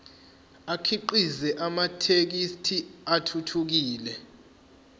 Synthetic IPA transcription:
akʰiǃizɛʔamatʰek̬istʰiatʰutʰuk̬iːlɛ

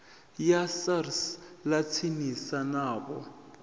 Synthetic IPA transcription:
jasarslat͡sʰinisanaːɓɔ

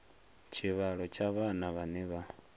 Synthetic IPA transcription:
t͡ʃʰiβaɺɔt͡ʃaβanaβaniβa

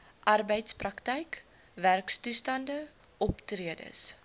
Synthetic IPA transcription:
ʔɐrbəjtsprɐktɛjk | værkstustɐndə | ʔɔptriədə̰s

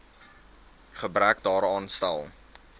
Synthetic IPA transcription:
χəbɾækdɑːɾɑːnstæ̰lˠ

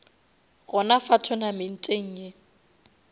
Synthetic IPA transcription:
ɣʊnafatʰʊnamɪn̩tʼeŋ̩ːje

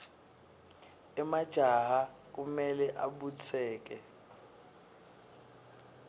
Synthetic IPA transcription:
ɛmad̥ʒ̥ʱaɦak̬umɛlɛʔaɓut͡sʰɛːk̬ɛ

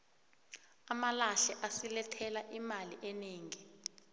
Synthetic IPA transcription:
amalaɬɛʔasilɛtʰɛlaʔimaliʔɛneːŋi

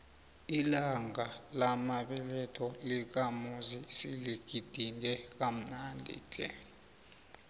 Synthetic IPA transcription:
ilaŋʱalamaɓɛlɛtʰɔlik̬amuzisiliɡ̥ʱid̥ʱinʱɛk̬ʼam̩nandʱḭd͡ʒʱʼɛ̰

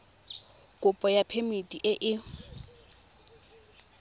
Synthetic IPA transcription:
kʼʊpʼɔjapʰemitʼiʔɪʔɪ

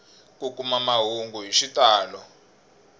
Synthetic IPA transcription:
kukumamaɦuŋɡuɦiʃitaːlɔ

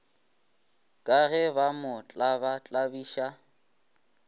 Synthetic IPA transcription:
kʼaɣɛbamʊt͡ɬʼabat͡ɬʼabiːʃa

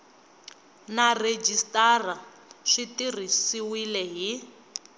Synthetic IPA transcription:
nared͡ʒistara | ʂitirisiwilɛɦi

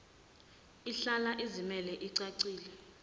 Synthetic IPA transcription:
iɬalaʔezimɛlɛʔiǀaǀiːlɛ

